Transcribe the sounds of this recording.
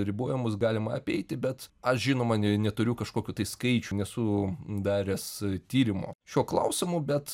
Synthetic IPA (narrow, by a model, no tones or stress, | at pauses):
ɾʲɪboɔjɛmʊsɡɑːlʲɪmɐɐpʲɛɪt̪ʲɪbʲɛt̪ɐʃʒʲɪnoːmɐnʲɛt̪ʊɾʲʊkɐʃkoːkʲut̪ɐɪskɐɪt͡ʃʲunʲɛsʊd̪ɑːɾʲɛst̪ʲiːɾʲɪmo̰ːʃʲuɔklˠɐ̰ʊsʲɪmʊbʲɛt̪